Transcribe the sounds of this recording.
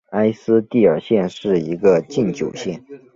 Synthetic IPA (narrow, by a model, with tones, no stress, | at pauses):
a˥ɪsɹ̩˥t̪i˥˩ə˞˨˩ɕjɛ˥˧nʂɻ̩˥˩i˧˥ɡə˧t͡ɕi˥˩nt͡ɕjo˨˩ʊɕjɛ˥˩n